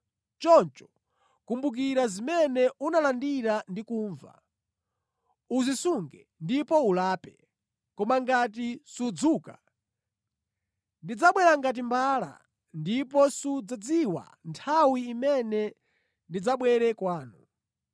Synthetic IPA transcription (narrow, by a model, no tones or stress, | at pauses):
t͡ʃɔnt͡ʃɔ̥ | kumbuk̬iɾazimɛnɛunalandiɾandikuːɱva̰ | uzisuŋɡɛ̰ | ndipɔulaːpɛ | kɔmaŋɡat̬isud͡zuːka̰ | ndid͡zaɓwɛɾaŋɡat̬imbala̰ | ndip̬ɔsud͡zad͡ziwa̰ | ntʰawiːmɛnɛ | ndid͡zaɓwɛɾɛkwaːnu